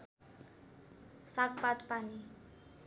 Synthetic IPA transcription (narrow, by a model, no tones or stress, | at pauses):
sak̚pat̪pani